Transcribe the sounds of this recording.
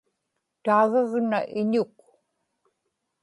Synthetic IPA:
t̪aːɣaɣnaʔɪɲʊk̚

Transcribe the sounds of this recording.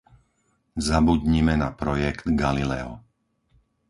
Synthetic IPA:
zabud̪ɲimɛnapɾɔjɛkd̪ɡalilɛɔ̰

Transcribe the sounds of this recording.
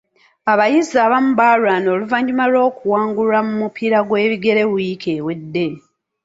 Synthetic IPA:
aβajizaːβamubalwaːno̞ːluvaɲɲumalo̞ːkuwaːŋɡulamumupʰiɾaɡwe̞ːβiɡe̞ɾe̞wujikʰe̞ːwe̞dːe̞

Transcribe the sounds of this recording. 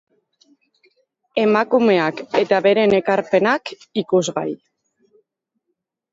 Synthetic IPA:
e̞makume̞ake̞t̪aβe̞ɾe̞ne̞kaɾpe̞nak | ikuzɣa̰j

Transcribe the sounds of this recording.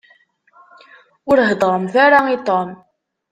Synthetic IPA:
ʊɾɦəd̪ˤɾˤəmθaɾait̪ˤom

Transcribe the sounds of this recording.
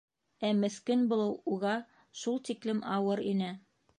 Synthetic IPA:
æmɘ̆θkɘnbulˠɤwuʁɑ | ʃulˠt̪iklɘmʔɑwɤɾinæ

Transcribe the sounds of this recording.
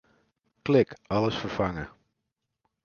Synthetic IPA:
klɪkɑləsfəɹfɑŋə

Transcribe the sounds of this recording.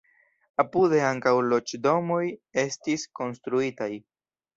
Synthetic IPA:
apude̞aŋkawlo̞t͡ʃdo̞mo̞je̞stisko̞nstɾuitaj

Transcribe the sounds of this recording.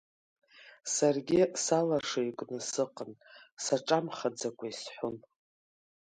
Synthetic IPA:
sarɡʲɪsalaʂaikʷʼnɨsɨqʼənsaʈ͡ʂʼamχad͡zakʷʰaisħʷʊn

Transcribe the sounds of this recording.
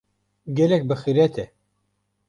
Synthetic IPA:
ɡʲɛlɛk̚bɨxiɾɛt̪ʰɛ

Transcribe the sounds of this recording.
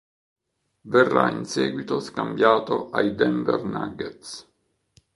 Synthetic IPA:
verːa̰insɛːɡwit̪oskambjaːt̪oʔajd̪ɛmbḛrnaɡet̪s

